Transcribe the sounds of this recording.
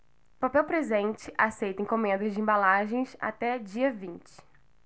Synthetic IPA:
papɛwpɾezẽnt͡ʃɪʔasejt̪ɐẽj̃kõmẽnd̪ɐzd͡ʒɪẽbalaʒẽj̃sa̰t̪ɛd͡ʒiɐvĩnt͡ʃɪ̥

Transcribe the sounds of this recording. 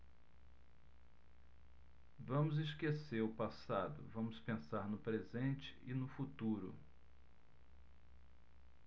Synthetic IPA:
vɐ̃mʊzɪskeseɾʊpasad̪ʊ̰vɐ̃mʊspẽsaɾnʊpɾezẽnt͡ʃɪ̥ɪnʊfut̪uɾʊ

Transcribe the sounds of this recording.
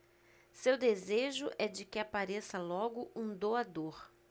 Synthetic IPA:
sewd̪ezeʒʊʔɛd͡ʒɪkɪapaɾesɐlɔɡʊʔũd̪oad̪oɾ

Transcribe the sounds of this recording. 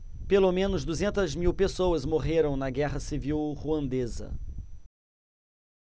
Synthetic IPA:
pelomẽnʊzd̪uzẽnt̪ɐzmiwpesowɐzmoʁeɾɐ̃w̃nɐɡɛʁɐsiviwʁuɐ̃nd̪ezɐ̰

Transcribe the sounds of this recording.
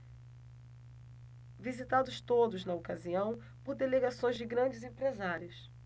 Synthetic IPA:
vizit̪ad̪ʊst̪od̪ʊznɐokaziɐ̃w̃ | poɾd̪eleɡasõj̃zd͡ʒɪɡɾɐ̃d͡ʒɪzẽpɾezaɾiʊs

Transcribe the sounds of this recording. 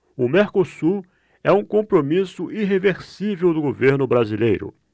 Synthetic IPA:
ʊmeɾkosuɾ | ɛũkõpɾomisʊʔiɦeveɾsivewd̪ʊɡoveɾnʊbɾazilejɾʊ̰

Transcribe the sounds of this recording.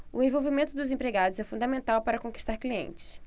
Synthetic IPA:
ʊd̪ẽvowvimẽnt̪ʊd̪ʊzẽpɾeɡad̪ʊzɛfũd̪ɐmẽnt̪awpaɾɐkõki̥ʃt̪aɾkliḛ̃t͡ʃɪ̥s

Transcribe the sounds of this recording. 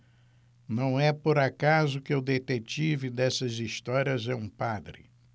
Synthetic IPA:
nɐ̃w̃ɛpoɾakazʊkɪʊd̪et̪et͡ʃivɪd̪ɛsɐzist̪ɔɾiɐzɛũpad̪ɾɪ̰

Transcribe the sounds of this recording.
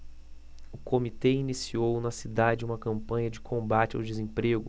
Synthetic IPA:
ʊkʰomit̪einisiownɐsid̪ad͡ʒɪũmɐkɐ̃mpɐ̃ɲɐd͡ʒɪkʰõmbat͡ʃɪa̰wd͡ʒɪzẽpɾeɡʊ

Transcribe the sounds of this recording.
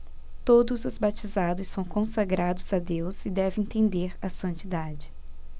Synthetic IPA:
t̪od̪ʊzʊzbat͡ʃizad̪ʊsːɐ̃w̃kõsaɡɾad̪ʊz̥ad̪ewzɪd̪ɛvẽẽt̪ẽnd̪eɾɐsɐ̃nt͡ʃid̪ad͡ʒɪ

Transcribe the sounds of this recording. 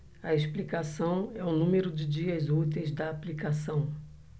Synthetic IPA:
ɐesplikasɐ̃w̃ɛũnũmeɾʊd͡ʒɪd͡ʒiɐzut̪ejzd̪ɐːplikasɐ̃w̃

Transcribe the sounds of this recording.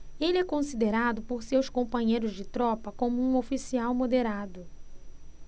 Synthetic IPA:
elɪɛkõsid̪eɾad̪ʊpoɾsewskõmpɐ̃ɲejɾʊzd͡ʒɪt̪ɾɔpɐkõmʊũofisiawmod̪eɾad̪ʊ

